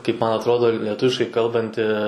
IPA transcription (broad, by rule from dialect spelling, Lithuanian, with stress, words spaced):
kɐɪp ˈmɐn ɐtˈroːdoː lʲɛˈtʊʋʲɪʃkɐɪ ˈkɐlˠbɐnʲtʲɪ